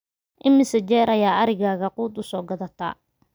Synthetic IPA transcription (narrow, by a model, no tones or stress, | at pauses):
ʔɪmːɪsɐd͡ʒɛːɾɐjaːɐɾɪɣaːɣɐquːd̪ʊsɔːɡɐðɐt̪ʰa̰ː